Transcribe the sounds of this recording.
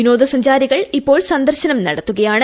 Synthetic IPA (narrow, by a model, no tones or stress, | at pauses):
ino̞ːd̪ɐsɐɲd͡ʑaːɾiɣɐɭipːo̞ːɭsɐnd̪ɐrɕɐnɐmnɐ̰ɽɐt̪ːuɣɐjaːɳɨ